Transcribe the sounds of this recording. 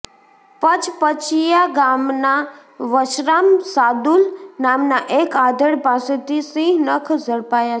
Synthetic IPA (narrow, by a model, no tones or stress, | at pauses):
pət͡ʃpət͡ʃʰijaɡaːmnaʋəʃɾaːmsaːd̪ulnaːmnaʔeːkaːd̪əɽpaːset̪isĩɦnəkʰzəɽpaːja